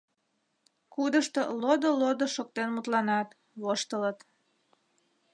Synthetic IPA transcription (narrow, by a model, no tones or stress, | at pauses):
kud̪əʃt̪olod̪olod̪oʃok̚t̪enmut̪lɑnɑt̪ | βoʃt̪ələt̪